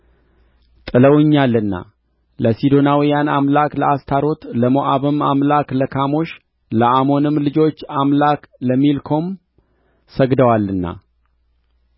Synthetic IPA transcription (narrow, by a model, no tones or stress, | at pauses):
t̪ʼɨləwɨɲːalːɨnːa̰ | ləsid̪o̞nawijanamlakləast̪ʰaɾo̞t̪ləmoʔaβɨmamlakləkʰamo̞ʃ | ləʔamo̞nɨmlɨd͡ʒo̞t͡ʃːamlakləmːilkʰo̞m | səɡd̪əwalːɨnːa̰